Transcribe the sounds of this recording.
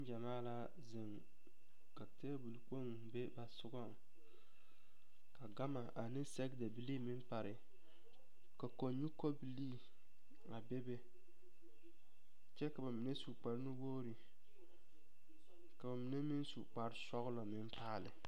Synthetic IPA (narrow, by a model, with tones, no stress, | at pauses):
n˦d͡ʒa˨maː˦la˦ | zɪ˨ŋ | ka˨te˦bu˨lk͡po˦ŋ˨be˦ba˨sʊ˦ɡɔ˦ŋ | ka˨ɡa˦ma˨ʔa˨nɪ˦nsɛ˦ɡda˨bi˦liː˦mɪ˦mpa˨ɾɪ˨ | ka˨ko˨ɲu˦ko˦bi˨liː˦ | a˨be˦be˦ | t͡ʃɛ˦ka˨ba˨mi˨ne˦su˨k͡pa˨ɾnu˦woː˦ɾi˨ | ka˨ba˨mi˨ne˦mi˦n˦su˨k͡pa˨ɾɪ˦sɔ˦ɣʊ˦lɔ˨mɪ˦m˦paː˦˨lɪ˨